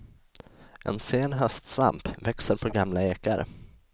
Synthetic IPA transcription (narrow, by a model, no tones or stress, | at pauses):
ʔɛ̰nseːnɦœst̪sva̰mpvɛksəɾpʰɔɡamlaeːkaɾ